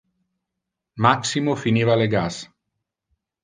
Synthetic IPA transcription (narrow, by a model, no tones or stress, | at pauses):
maksimofiniːvaleɡas